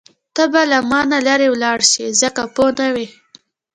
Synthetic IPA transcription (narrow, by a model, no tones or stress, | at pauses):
t̪əbalamɑnalaɾewlɑɽʃizəkaponawe